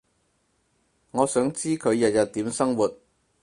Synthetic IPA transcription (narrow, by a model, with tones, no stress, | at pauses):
ŋɔː˨˧sœː˨˥ŋt͡siː˥kʰɵ˨˧ɥjɐ˨t̚jɐ˨t̚t̪ːiː˨˥msɐ˥ŋwuː˨t̚